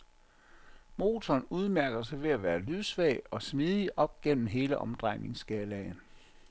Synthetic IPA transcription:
mo̝ːt͡sʰɒːnuð̞ˠmæɐɡ̥ɐsɑ̈ɪʋe̝æʋæːɐlyðˠsʋɛɪɒ̽smið̞ˠiʔɒ̽b̥̚ɡ̥en̰m̩ɦe̝ːləʔɒ̽md̥ʁɑ̈ɪne̝ŋsɡ̥ɛːlɛɪn

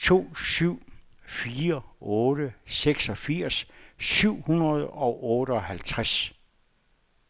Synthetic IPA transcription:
t͡sʰo̝̰ːsyʊ̰ | fiːɐɔːɾəseɡ̥sɒ̽fiɐ̰sːyʊ̰hunɐð̞̩ˠɒ̽ʔɔːɾəɒ̽hælt͡sʰʁas

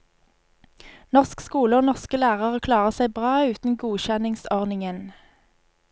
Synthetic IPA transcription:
nɔʁskskuːləoːnɔʁskəlæːʁəʁoːkʰlɑːʁəsæɪbʁɑːʉːt̪n̩ɡuːçɛnɪŋsɔʁnɪŋən

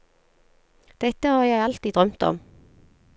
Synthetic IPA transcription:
d̪̥ɛt̪əhɑːʁjæɪɑlt̪iːd̪ʁœmt̪ɔ̰m

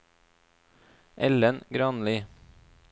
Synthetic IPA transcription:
ʔɛlənɡɾɑːnliː

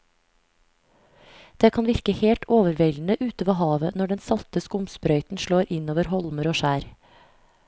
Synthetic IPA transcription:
d̪̥eːkʰɑnʋɪɾkəheːlt̪oːʋəɾʋɛln̩əʔʉːt̪əʋoːhɑːʋənɔɖɛnsɑt̪əskʊmsbɾœʏt̪n̩ʃloːɾʔɪnoːʋəɾhɔlməɾoːʃæːɾ

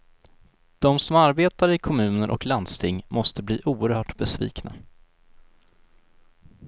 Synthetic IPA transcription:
d̪̥ɔmsɔmaɾbeːt̪aɾɪkʰɔmʉ̟ːnəɾʔɔ̰kland̪st̪ʰɪŋːmɔst̪əbliːʔuːəɾhœːʈbɛsvḭːkna̰

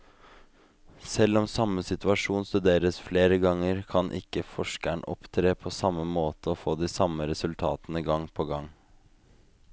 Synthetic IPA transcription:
sɛlɔmsɑməsɪt̪ʉɑʂuːnst̪ʉd̪eːɾəsfleːɾəɡɑŋəɾkʰɑnʔɪ̰kːəfɔʂkæɳʔɔ̰pt̪ʰɾeːpʰoːsɑmːəmoːt̪ʰəofoːd̪iːsɑməɾɛsʉlt̪ʰɑːt̪nəɡɑŋpʰoːɡɑŋ

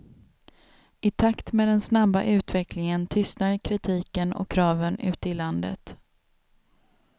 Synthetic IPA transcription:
ɪt̪ʰakt̪meːd̪ɛnsnabːa̰ʔʉ̟ːt̪vɛklɪŋənt̪ʰʏst̪naɾkʰɾɪt̪ʰiːkənɔ̰kʰːɾɑːvənʉ̟ːt̪əɪland̪ə̰t̪

